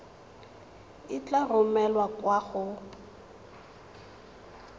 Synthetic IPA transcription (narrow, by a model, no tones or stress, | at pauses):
ɪt͡ɬarʊmɛlwakwaɣʊ